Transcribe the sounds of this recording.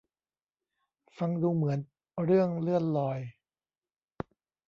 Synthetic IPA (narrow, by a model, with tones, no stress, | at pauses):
fa˧ŋduː˧mɯ˩˦ən | ɾɯ˥˩əŋlɯ˥˩ənlɔː˧j